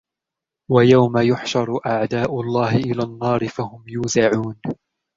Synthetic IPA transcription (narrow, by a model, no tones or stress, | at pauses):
wajawmajʊħʃɑɾˤʔaʕd̪aːʔʊlˤːɑːhɪʔɪlaːnːɑːɾɪfahʊmjuːzaʕuːn